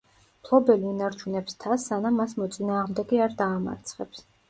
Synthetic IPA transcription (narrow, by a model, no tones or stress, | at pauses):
pʰlˠɔbɛliunaɾt͡ʃʰunɛpst̪ʰasːanamːasmɔt̪sʼinaːʁmd̪ɛɡiaɾd̪aːma̰ɾt̪sʰχɛps